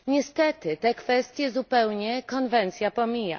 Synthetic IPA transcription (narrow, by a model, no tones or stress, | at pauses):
ɲɛst̪ɛt̪ɘt̪ɛkfɛst̪ʲjɛzupɛwɲɛkɔnvɛnt̪sʲjapɔmʲija̰